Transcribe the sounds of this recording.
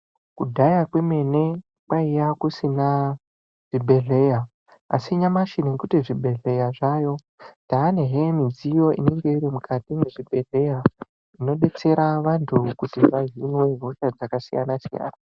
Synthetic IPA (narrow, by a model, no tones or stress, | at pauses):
kudʱajakweme̞ne̞ | pwaijakusina | ʐ̥ibʱe̞ɮe̞ːja | asiɲamaʃineŋkutiʐibʱe̞ɮe̞jaʐajo̞ | taːne̞ɦemid͡zijo̞ḭne̞ŋɡe̞iɾimukʰatimeʐibʱe̞ɮe̞ja | ino̞ɗe̞t͡se̞ɾaʋantʰukutiʐaɦinwe̞ɦoʃad͡zakasija̰nasija̰ːna